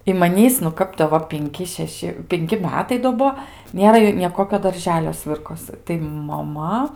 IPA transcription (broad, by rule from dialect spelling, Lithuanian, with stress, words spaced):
ɪ mɐˈnʲiːs nʊ ˈkɐp tɐɪ joː ˈʋɐ pʲɪŋʲˈkʲɪ ʃʲɛˈʃʲɪ pʲɪŋʲˈkʲɪ ˈmʲæːtɐɪ doː ˈbuɔ ˈnʲeːrɐ nʲeː ˈkoːkʲoː ˈdɐrʲʒʲɛlʲoː ˈsʲʋʲɪrkoːsɨ tɐɪ mɐˈmɐ